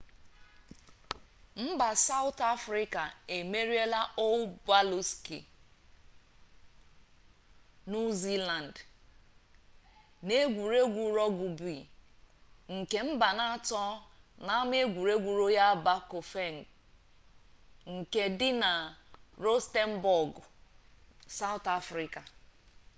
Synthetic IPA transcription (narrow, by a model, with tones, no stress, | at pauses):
m̩˦ba˨sa˦ʊ˦ta˦fɾɪ˦ka˨e˨me˦ɾi˦e˦la˦ʔo˦ba˦lu˦skḭ˨ | nu˦zi˦la˨n˨d | ne˦ɡʷu˨ɾe˦ɡʷu˨ɾɔ˦ɡu˨bi˨ | ŋ̩˨ke˨m̩˦ba˨na˦a˦tɔ˦na˨˦m˦e˦ɡʷu˨ɾe˦ɡʷu˨ɾo˦ja˦ba˦ko˨fe˦˨ŋ˨ | ŋ̩˨ke˨dɪ˦na˨ɾo˦ste˦m̩˦bɔ˨ɡ | sa˦wʊ˦ta˦fɾi˨ka˨